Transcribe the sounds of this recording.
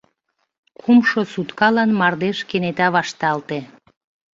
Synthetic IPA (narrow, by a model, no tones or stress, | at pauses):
kʰumʃosut̪kɑlɑnmɑrd̪eʃkenet̪ɑβɑʃt̪ɑlt̪e